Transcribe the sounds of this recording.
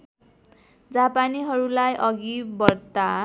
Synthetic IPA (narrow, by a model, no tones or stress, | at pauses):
d͡zapaniɦʌɾulajʔʌɡibʌrt̪a